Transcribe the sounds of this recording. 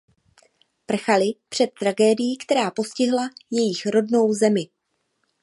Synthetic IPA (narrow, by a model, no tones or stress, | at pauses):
pr̩xalɪpr̥ɛt̪ːɾaɡɛːdɪjiːkt̪ɛɾaːpo̞scɪɦlajɛjɪxɾo̞dno̞wzɛmɪ